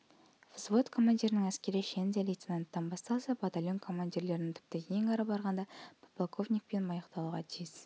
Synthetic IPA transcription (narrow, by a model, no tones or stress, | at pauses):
fzvo̞t̪kʰo̞manʲd̪ʲiɾɪnəŋæskʲe̞ɾɪʃenzelijt̪senant̪ːɑnbɑst̪ɑlˠsɑbat̪alʲjo̞nkʰo̞manʲd̪ʲiɾle̞ɾɪnɪŋt̪ʰʏ̥p̚t̪ɪkʲʰejɪŋɑɾɑbɑɾʁɑnd̪ɑpplakʰo̞vnʲik̚pe̞nmɑjəqt̪ɑlˠuʁɑt̪ʰijɪs